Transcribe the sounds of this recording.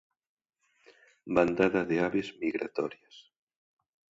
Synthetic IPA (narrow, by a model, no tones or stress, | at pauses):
band̪aðaðeaβezmiɣɾa̰t̪ɔɾjas